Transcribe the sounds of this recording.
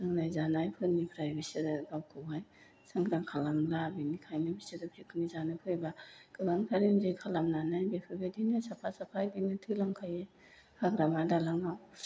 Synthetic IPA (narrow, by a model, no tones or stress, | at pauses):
sɯŋnajzanajpʰɯnipʰɾajbisɯɾɡawkʰɯwaj | saŋɡɾaŋkʰalamlabinikʰajnɯbisiɾɯpʰikʰɯnizanɯpʰɯjbakɯlaŋkʰaɾinzɯjkʰalamnanajbepʰɯbadinasapʰasapʰajdinɯtʰɯlaŋkʰaje | kʰaɡɾamadalaŋnaw